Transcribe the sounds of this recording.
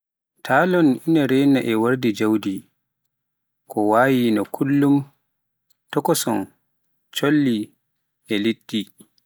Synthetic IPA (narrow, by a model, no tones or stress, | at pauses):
tʰaːlɔninaɾɛjnaʔɛwaɾdid͡ʒawdi | kɔwaːjinɔkʰulːum | tɔkɔsɔ̰n | t͡ʃolːi | ʔɛlitːi